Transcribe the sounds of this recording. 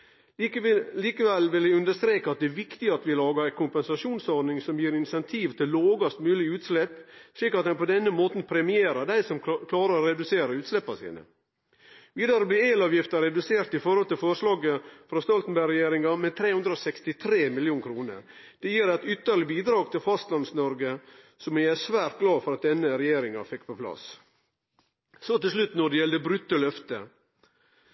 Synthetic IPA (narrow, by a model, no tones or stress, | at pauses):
liːkəʋɛlʋɪlɪʉnd̪əʂt̪ɾeːkɑɑt̪̚d̪ɛːʋɪkt̪ɪɑt̪ʋɪlɑːɡɑæɪkʊmpɛnsɑʂuːnsɔɾnɪŋsɔmjiːɾɪnsɛnt̪ʰiːʋt̪ʰɪllːoːɡɑst̪mʉːlɪʉːt̪slɛpːsɭiːkɑt̪hɛɪpɔd̪ɛnːəmoːt̪n̩pʰɾɛmɪeːɾəd̪æɪsɔmkʰlɑːɾəɾɔɾɛd̪ʉseːɾəʉːt̪slɛpːɑsḭːnə̰ | ʋiːd̪ɑɾɔbliːeːlɑːʋjɪft̪əɾɛd̪ʉseːɾt̪ɪfɔɾhɔlt̪ɪlfɔɾʂlɑːɡəfɾɑst̪ɔlt̪n̩bæɾɛjeːɾɪŋɑmɛt̪ʰɾeːhʉnd̪ɾəɔsɛkst̪ɪt̪ʰɾeːmɪljuːnkʰɾuːnə̰ɾ | d̪̥ɛjiːɾæt̪ʏt̪ːəɭɪbiːd̪ɾɑːɡ̚t̪ʰɪlfɑst̪lɑnsnɔɾɡə | sɔmɛæsʋæːɾt̪̚ɡlɑːfɔɾɑt̪̚d̪ɛnːəɾɛjeːɾɪŋɑ̰fɛkːpʰɔpʰlɑ̰s | sɔt̪ɪlsʂlʉt̪nɔɖɛjɛld̪əbɾʉt̪ːəlœft̪ə